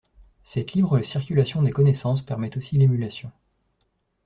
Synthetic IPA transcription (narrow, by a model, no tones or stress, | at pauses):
sɛt̪libʁəsiʁkʲylasjɔ̃d̪ekɔnesɑ̃spɛʁmɛt̪osilemylasjɔ̃